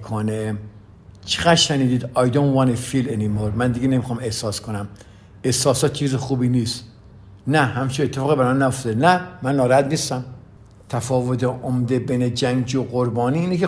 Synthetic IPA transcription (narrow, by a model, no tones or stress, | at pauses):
kʰone | t͡ʃʰeɣæʃæniːd̪iːd̪ɑjd̪onwɑnefilenimoɾmænd̪iɡenemixɒmehsɒːskʰonæm | ehsɒːsɒːt̪̚t͡ʃʰiːzexuːbiːniːst̪ | næɦæmt͡ʃʰiet̪ʰːefɒːɣibæɾmɑnæjoft̪ed̪enæmænːɒːɾæd̪niːst̪æm | t̪ʰæfɒːvot̪ʰeʔomd̪ebejned͡ʒæŋd͡ʒioɣoɾbɒːniːiːneke